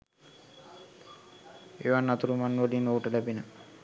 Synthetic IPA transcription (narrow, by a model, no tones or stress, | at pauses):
ḛːʋanːat̪uɾumanːʋəlinoːʈəlæbinə